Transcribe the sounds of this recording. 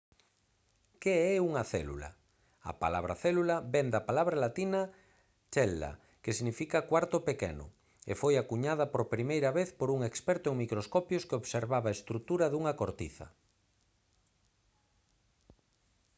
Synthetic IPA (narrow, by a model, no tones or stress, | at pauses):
keɛuŋɐθɛlṵlɐ̰ | ɐ̰pa̰laβ̞ɾa̰θɛlulɐbɛnd̪ɐpalaβɾalat̪inɐ | t͡ʃɛlːa̰ | kesiɣnifikɐkwaɾt̪ʊpekɛ̰nʊ̰ | ḛfojakuɲað̞ɐpoɾpɾimejɾɐβeθpoɾuŋekspɛɾt̪ʊeŋmikɾoskɔpjoskeoβseɾβaβaest̪ɾut̪uɾɐðuŋɐkoɾt̪ḭθɐ̰